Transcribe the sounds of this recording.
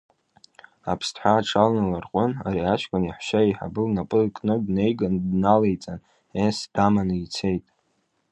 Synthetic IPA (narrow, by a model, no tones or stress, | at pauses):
apʰstʰħʷaːʈ͡ʂʰalnɨlarqʷʼʊna̰ɾiat͡ʃkʷʼaniħʷʃaiħa̰bɨlnapʼɨkʼnɨdne̞jɡandnalejt͡sʼan | esd̥amanjt͡sʰe̞jtʼ